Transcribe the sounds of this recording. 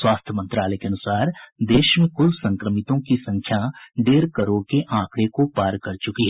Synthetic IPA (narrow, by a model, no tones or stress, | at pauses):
swaːst̪ʰjəmə̃nt̪ɾaːlɛkeɐnʊsaːɾd̪eːʃmẽkʊlsɐ̃ŋkɾəmɪt̪õkisɐ̃ŋkʰjad̪eːɾkɐɾoːɽkeʔãːkɽekopaːɾkɐɾt͡ʃʊkiɦɛː